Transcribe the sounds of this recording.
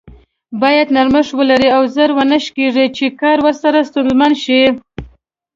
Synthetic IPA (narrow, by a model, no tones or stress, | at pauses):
bɑjad̪naɾməʂwəlaɾiawzəɾwənəʃkeʐit͡ʃekɑɾwəɾsaɾast̪ʊnzmanʃi